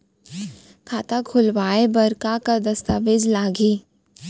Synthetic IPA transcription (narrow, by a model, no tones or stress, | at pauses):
kʰaːt̪akʰʊlʋaːebɐɾkakad̪ɐst̪aːʋɪd͡ʒlaːɡiː